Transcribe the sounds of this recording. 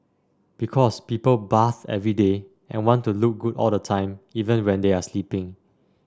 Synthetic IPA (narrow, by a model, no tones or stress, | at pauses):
b̥ikʰɔspiːpəlbaθɛ̰vɹide | ʔɛ̰̃nwɔ̃ntuluk̚ɡutɔ̰lˠdətʰãɪ̃mivə̃nwɛ̃ndeaslipɪ̃ŋ